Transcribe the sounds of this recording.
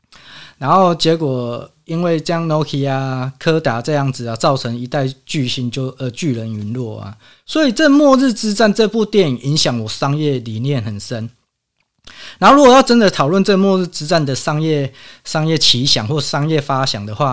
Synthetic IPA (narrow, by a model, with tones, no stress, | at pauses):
na˧˦nxo˥˩ʊt͡ɕje˧˦˥kwɔ˨˩ | i˦˥nwe˥˩ɪt͡ɕjɑ˥˦ŋnɔ˧˥ʊkʰi˨a˧kʰɤ˦t̪a˨˩t͡sɤ˥˧jɑ˥˩ŋd͡zɹ̩˩a˨t͡sɑ˥˩ʊt͡sʰə˧˦ŋi˧˦t̪a˥˧ɪt͡ɕy˥˩ɕi˧˥nt͡ɕjo˥˧ʊʔə˧˦t͡ɕy˥˩lə˧˦ny˧˥˦nlwɔ˥˩a̰˨˩ | swɔ˧˥i˨˩t͡sɤ˥˩˨mwɔ˥˧ɻ̩˥˩t͡sɹ̩˥t͡sa˥˨nʈ͡ʂɤ˥˧pu˥˧t̪jɛ˥˨ni˨˩ŋi˧˦ŋɕjɑ˨˩ŋwɔ˨˩ʂɑ˦ŋjɛ˥˨li˨˩njɛ˥˨nxə˨˩nʂə˦˥n | na˨˦nho˥˩˧ɻu˦˥ɡɔ˨jɑ˥˩ʊʈ͡ʂ̬ə˦nd̪ə˨t̪ʰɑ˨˩ʊlwə˥˨nt͡sə˥ɡə˨mwɔ˥˧ɻ̩˥˧t͡sɹ̩˥t͡sa˥˩˨nd̪ə˨˩ʂɑ˥ŋjɛ˥˨ʂɑ˥ŋjɛ˥˩t͡ɕʰi˧˦ɕjɑ˨˩˦ŋxwɔ˥˧˨ʂɑ˥ŋjɛ˥˨fa˦ɕjɑ˨˩ŋd̪ə˩xwa˥˨